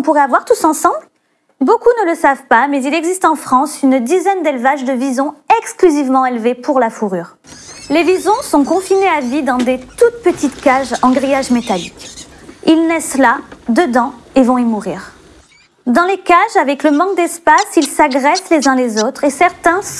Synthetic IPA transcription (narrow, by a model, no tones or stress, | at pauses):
ɔ̃puʁɛavwaʁt̪usɑ̃sɑ̃bl | bokunələsavpamɛzilɛɡzist̪ɑ̃fχɑ̃synd̪izɛnd̪ɛlvaʒd̪əvizɔ̃ɛksklyzivmɑ̃elvepʰuʁlafuʁyːʁ | levizɔ̃sɔ̃kɔ̃fineavid̪ɑ̃d̪et̪ut̪̚pət̪it̪kaʒɑ̃ɡʁijaʒmet̪alikilnɛslad̪əd̪ɑ̃evɔ̃imuʁiːʁ | d̪ɑ̃lekaʒavɛkləmɑ̃k̚d̪ɛspasilsaɡʁɛslezɛ̃lezot̪χesɛʁt̪ɛ̃s